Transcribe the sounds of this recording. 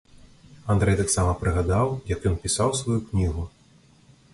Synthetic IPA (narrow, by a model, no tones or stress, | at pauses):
and̪ɾɛjt̪aksamɐpɾɨɣad̪awjɐkjɔnpʲisawsvajuknʲiɣu